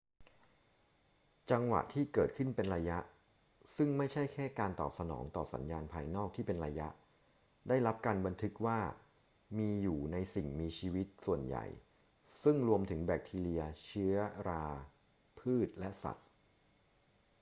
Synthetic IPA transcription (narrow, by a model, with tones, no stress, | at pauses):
t͡ɕa˧ŋwa̰˨˩ʔt̪ʰiː˥˩kɤː˨˩t̪̚kʰɯ˥˩npe˧nɾaː˧ja˦˥ʔ | sɯ˥˩ŋma˥˩jt͡ɕʰa˥˩jkʰɛː˥˩kaː˧nt̪ɔ̰ː˨˩p̚sa˧nɔ̰ː˩˦ŋt̪ɔ̰ː˨˩sa̰˩˦njaː˧npʰaː˧jnɔː˥˩k̚t̪ʰiː˥˩pe˧nɾa˧ja˦˥ʔ | daː˥˩jɾla˦˥p̚kaː˧nba˧nt̪ʰɯ˦˥k̚waː˥˩ | miː˧juː˨˩na˧jsi˨˩ŋmiː˧t͡ɕʰiː˧wi˦˥t̪̚su˨˩ənja̰˨˩j | sɯ˥˩ŋɾu˧əmt̪ʰɯ˩˦ŋbɛː˨˩k̚t̪ʰiː˧li˧ɐt͡ɕʰɯ˦˥ɐɾaː˧ | pʰɯː˥˩t̪̚lɛ˦˥ʔsa̰˨˩t̪̚